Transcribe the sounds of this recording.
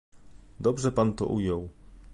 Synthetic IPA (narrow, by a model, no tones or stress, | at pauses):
d̪ɔbʐɛpant̪ɔ̰ʔujɔw